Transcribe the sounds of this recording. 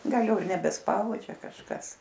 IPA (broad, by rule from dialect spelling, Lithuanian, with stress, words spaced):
ˈɡɐlˠ ˈjɛʊ ɪr nʲɛbʲɛsˈpɐʊd͡ʒʲɛ kɐʃˈkɐs